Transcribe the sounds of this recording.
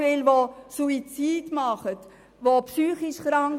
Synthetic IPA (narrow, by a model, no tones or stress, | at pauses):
ɪlʋosuit͡siːdmɑχət | ʋopsyːχiʃχɾɑŋ